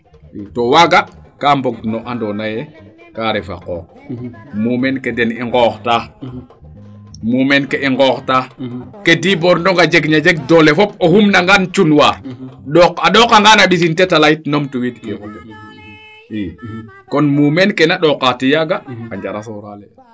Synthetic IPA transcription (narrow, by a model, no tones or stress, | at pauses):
itowaɡakamboɡ̚noʔandonajɛkaɾɛfa̰qo̰ːk̚mumenkedɛniŋɡɔːxta | mumenkeʔiŋɡɔːktakediboɾndoŋɡad͡ʒeɡɲad͡ʒeɡ̚dolefɔp̚ohumnaŋɡant͡ʃunwaːɾɗokaɗɔkaŋɡanaɗis̬intetalaitnomtuwitkew | i | kɔnmumenkenaɗɔkatijaɡaaɲd͡ʒaɾasoɾalɛ